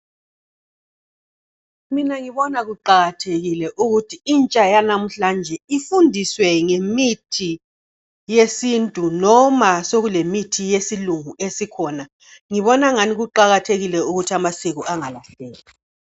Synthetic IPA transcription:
minaŋiβɔnaɣuǃaɣatʰeɣilɛʔuɣutʰiint͡ʃʼajanam̩ɬand͡ʒʱɛifundʱiswɛŋemitʰi | jesintʼunɔmasoɣulemitʰijesiluŋuesikʰɔːna | ŋiβɔnaŋaniɣuǃaɣatʰeɣilɛuɣutʰiamasiɣuʔaŋalaɬeːla

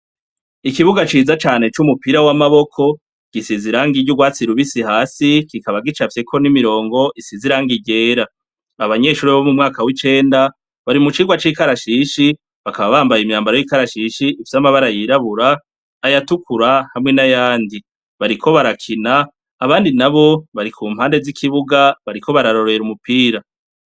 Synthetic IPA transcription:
ikiβuɡat͡ʃiːzat͡ʃaːne̞t͡ʃumupiɾawamaβo̞kʰo̞ | ɡ̥isiziɾaŋɡiɟuɡwaːt͡siɾuβisihaːsikikaβaɡit͡ʃafje̞kʰo̞nimiɾo̞ːŋɡo̞ʔisiziɾaːŋɡiɟe̞ːɾa | aβaɲe̞ːʃuːɾiβomumŋaːkawit͡ʃe̞ːnda | βaɾimut͡ʃiːɡwat͡ʃiːkaɾaʃiːʃi | βakaβaβaːmbajimɲaːmbaɾojikaɾaʃiːʃiʔːfi̥samaβaɾajiɾaβuɾaː | jatukuɾahamŋe̞najaːndi | βaɾikʰo̞βaɾakʰinaː | βaːndinaβo̞βaɾikʰuːmhaːnde̞zikʰiβuɡaβaɾiko̞βaɾaɾo̞ɾoeɾumupiːɾa

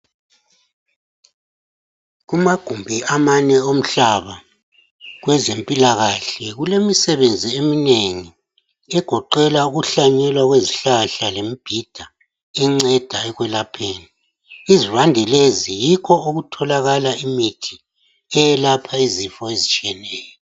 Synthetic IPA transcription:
ɣumaɡ̥ʱumbʱiamanɛom̩ɬaβa | ɣwɛzempʼilaɣaɬɛɣulemisɛβend͡zʱiemineŋi | ɛɡ̥ʱɔǃɛlauɣuɬaɲɛlwaɣweziɬaɬalemib̥ʱid̥ʱa | iŋ͡ǀɛd̥ʱaɛɣwɛlapʰeːni | izivandʱɛlezijikʰɔoɣutʰɔlaɣalaimitʰi̥ | ɛjɛlapʰaizifɔezit͡ʃʼiɛnɛːjɔ

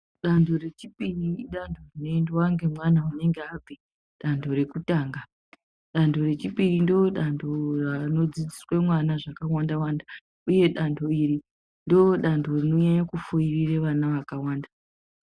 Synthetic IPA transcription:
ɗandʰo̞re̞t͡ʃipiriɗandʰo̞rino̞endewaŋɡe̞mwanaune̞ŋɡeab͡vi | ɗandʰo̞ɾe̞kutaːŋɡa | ɗando̞re̞t͡ʃipirindooɗandʰo̞rano̞d͡zid͡ziswe̞mwanaʐakawandawanda | uje̞ɗandʰo̞iri | ndooɗandʰo̞rinoɲajakufoirireʋanaʋakawaːnda

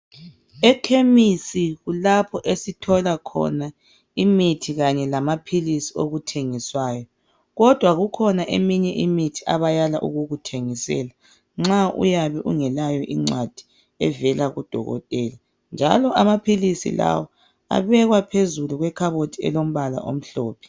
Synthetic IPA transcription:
ɛkʰemisiɣulapʰɔʔesitʰɔlakʰɔ̰na | imitʰiɣaɲɛlamapʰilisioɣutʰeŋiswaːjɔ | ɣɔd̥ʱwaɣukʰɔnaʔḛmiɲɛʔimitʰi̥aβajalaʔṵɣuɣutʰeŋisɛ̰ːla | ŋ͡ǁaṵjaβɛʔṵŋɛlajɔʔiŋ͡ǀwad̥ʱi̥ | ɛ̰vɛlaɣud̥ʱɔ̰ɣɔ̰tʼɛːla | nd͡ʒʱa̰lɔʔamapʰilisḭla̰wɔ | a̰βɛɣwapʰezuluɣwɛkʰaβotʰiɛ̰lom̩βala̰ʔo̰m̩ɬɔ̰ːpʰɛ̥

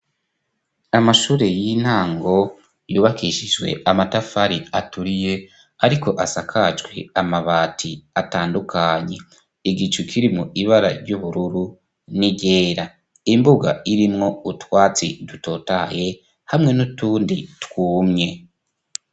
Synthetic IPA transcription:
amaʃuːɾe̞jin̥haːŋɡo̞ | juːβakiʃid͡ʒwe̞̰ʔamatafaɾiatuɾije̞ | aɾiko̞ʔasakʰad͡ʒɡwe̞̰amaβaːtʰiataːndukʰaɲe̞ | iɡit͡ʃukʰiɾimŋuiβaɾa̰ɾɟuβuɾuɾu | niɟe̞ːɾa | imbuɡa̰iɾimŋo̞utwaːt͡sḭduto̞ːtaje̞ | hamŋe̞nutuːnditwuːmɲe̞

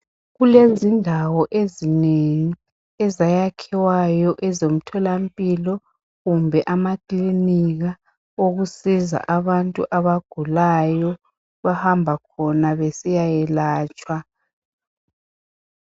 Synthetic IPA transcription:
ɣulezindʱawɔʔezineŋi | ɛzajakʰɛwajɔʔɛzom̩tʰɔlam̩pʼilɔ | ɣumbʱɛʔamakʼliniɣa | oɣusiza̰ʔaβantʼṵʔaβaɡ̥ʱulajɔ | βahambʱakʰɔnaβesijajɛlaːt͡ʃʼwa

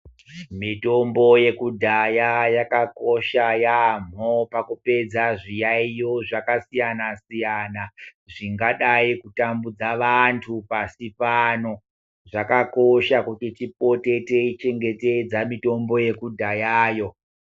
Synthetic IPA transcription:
mito̞mbo̞je̞kudʱajajakako̞ʃajam̤opakupe̞d͡zaʐijaijoʐakasijanasijana | ʐiŋɡaɗaikutambud͡zaʋantʰupasipano̞ | ʐakakoʃakutitip̚ote̞te̞it͡ʃe̞ŋɡe̞te̞d͡zamito̞mbo̞je̞kudʱajaːjo̞

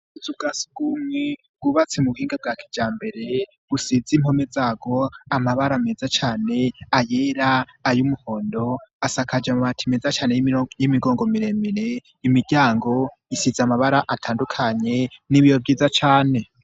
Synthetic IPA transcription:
uzub̚ɡasi̥ɡumŋe | ɡ̥uβat͡semuuhiːŋɡab̚ɡaːkʰi̥d͡ʒaːmbe̞ɾe̞ | ɡ̥usizimho̞mezaːɡ̥o̞amaβaɾamezat͡ʃaːne̞ajeːɾaːjumuho̞ːndo̞asakʰad͡ʒemumatʰimezat͡ʃaːnejjimiɡo̞ːŋɡo̞miɾe̞miɾe | imiɟaːŋɡo̞ | isizamaβaɾaʔatʰaːndukʰaɲe̞niβijobɡiːzat͡ʃaːne̞

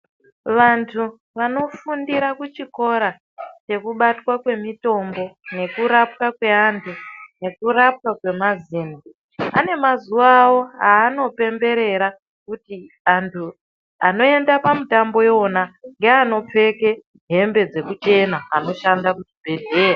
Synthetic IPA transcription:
ʋantʰu | ʋano̞fundiɾakut͡ʃiko̞ɾa | t͡ʃe̞kuɓatwakwe̞mito̞mbo̞ne̞kuɾap̚kakwe̞aːntʰune̞kuɾap̚kakwe̞maziːni | a̰ne̞mazuʋawo̞ɦaːno̞pe̞mbe̞ɾe̞ɾa | kuti | antʰu | ano̞e̞ndapamitambo̞jo̞naŋɡe̞ano̞p͡fe̞ke̞ | ɦe̞mbe̞d͡ze̞kut͡ʃe̞naano̞ʃandakut͡ʃibʱe̞ɮʱeːja

